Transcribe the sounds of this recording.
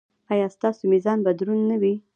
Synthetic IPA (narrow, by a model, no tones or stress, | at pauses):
ɑjɑst̪ɑsomizɑnbad̪ɾunːawi